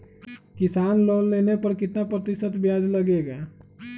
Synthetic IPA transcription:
kɪsaːnloːlːeːnepəɾkɪt̪napɾət̪ɪʃət̪bjaːd͡ʒləɡeɡa

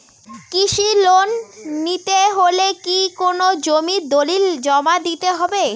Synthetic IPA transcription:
kiʃilonːit̪eɦolekikonod͡ʑomid̪olild͡ʑɔmad̪it̪eɦɔbe

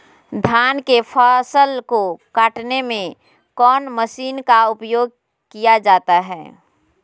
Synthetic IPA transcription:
d̪ʱaːnkepʰaːsəlkokaːʈnemẽ | kɔːnməsiːnkaʊpjoːɡ̚ | kijad͡ʒaːt̪aɦɛː

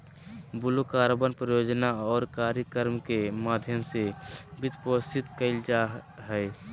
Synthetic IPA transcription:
bʊlokaːɾbənpɾəjoːd͡ʒnaɔːɾkaːɾjəkəɾmkemaːd̪ʱjəmsebɪt̪pəst̪ɪt̪kəɪld͡ʒaɦɛː

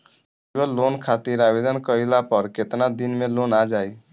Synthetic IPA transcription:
ɡəlonkʰat̪iɾabed̪ʱənkəilapəɾket̪nad̪inmelonad͡ʒaj

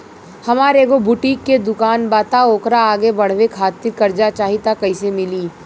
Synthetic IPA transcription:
hɐmaːɾekobʱʊʈiːkːed̪ʊkaːnbaːt̪aoːkɾaːɡebɐɽ̤ʋekʰaːt̪ːɪɾkɐɾd͡ʒat͡ʃaːɦit̪akɐisemɪliː

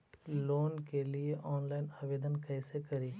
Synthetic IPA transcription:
loːnkelieʔɔːnlaːɪnaːʋeːd̪ənkɛːsekɐɾiː

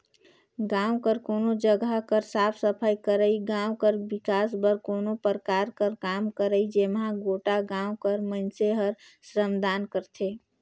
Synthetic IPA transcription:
ɡãːwkəɾkoːnod͡ʒəɡakəɾsaːpʰsəpʰaːjkəɾəiɡãːwkəɾbɪkaːsbəɾkoːnopəɾkaːɾkəɾkaːmkəɾəid͡ʒemɦãɡoːʈaɡãːʊkəɾmənseɦəɾsɾəmd̪aːnkəɾt̪ʰeː

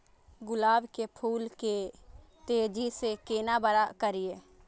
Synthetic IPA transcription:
ɡʊlaːbkepʰuːlke | t̪eːd͡ʒisekeːnabəɾakəɾieː

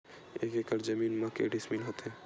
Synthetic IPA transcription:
ekekəɾd͡ʒəminmãkḛɖisminɦot̪e

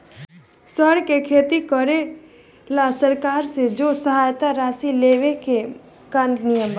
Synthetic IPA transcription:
səɽkekʰeːt̪ikəɾe | lasəɾkaːɾsed͡ʒoːsəɦaːjt̪aɾaːsileːʋeke | kannijəmba

